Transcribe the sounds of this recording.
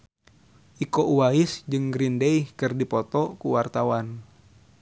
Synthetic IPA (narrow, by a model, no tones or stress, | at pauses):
ʔikɔʔuwaisd͡ʒɨŋɡɾindeihkɨrdipɔt̪ɔkuwart̪awan